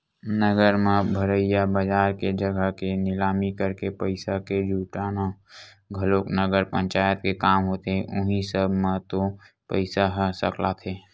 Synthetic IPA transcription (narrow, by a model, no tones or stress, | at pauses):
nəɡəɾmãbʱəɾəɪjabəd͡ʒaːɾked͡ʒəɡəɦkenɪlaːmikəɾkepəɪsaked͡ʒʱuːʈaːna | ɡʱəloːknəɡəɾpə̃ɲt͡ʃaːjət̪̚kekaːmɦoːt̪eɦɛ̃ʔʊɦĩsəbʱmãt̪opəɪsaɦəsəklat̪ʰeː